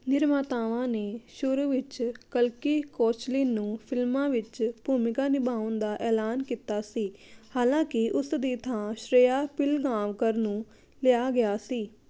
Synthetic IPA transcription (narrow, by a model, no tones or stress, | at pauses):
nɪɾmaːt̪aːʋãːneːʃʊɾuːʋɪt͡ʃkəlkiːkoːt͡ʃliːnːũːpʰɪlmãːʋɪt͡ʃbuːmɪkaːnɪbaːʊnd̪aːʔɛːlaːnkiːt̪aːsiːhaːlãːkɪʔʊsd̪iːt̪ʰãːʃɾeːjaːpɪlɡãːʋkəɾnũː | lɪjaːɡɪjaːsiː